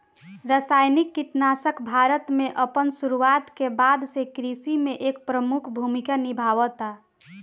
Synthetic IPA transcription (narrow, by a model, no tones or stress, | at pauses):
ɾəsajnikːiʈnasəkbʱaɾət̪meʔəpənsuɾuat̪kebad̪sekɾisimeʔek̚pɾəmukʰbʱumikanibʱawət̪a